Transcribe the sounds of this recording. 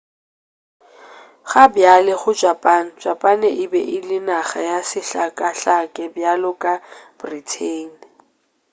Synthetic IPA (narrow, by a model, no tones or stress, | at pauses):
χabjalɪχʊd͡ʒapʼan̩d͡ʒapʼanɛʔɪbɛʔɪlɪnaχajasɪɬakʼaɬakʼɛbjalʊkʼab̥ritʰeːn